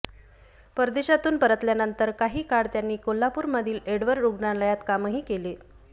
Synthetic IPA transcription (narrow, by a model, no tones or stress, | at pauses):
pəɾd̪eɕat̪uːnpəɾət̪ljanənt̪əɾkaɦiːkaɽt̪janːiːkolːapuːɾməd̪ʱiːleɽʋəɾːuɡɳaləjat̪kaməɦiːkele